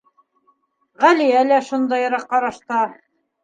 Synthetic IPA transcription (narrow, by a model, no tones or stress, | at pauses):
ʁælijælæʃund̪ɑjɤɾɑqːɑɾɑʃt̪ɑ